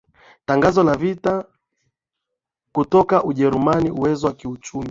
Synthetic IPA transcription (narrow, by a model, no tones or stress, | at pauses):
taŋɡazɔlavita | kutɔkaʔuʄɛɾumaniuwɛzɔwakiut͡ʃumi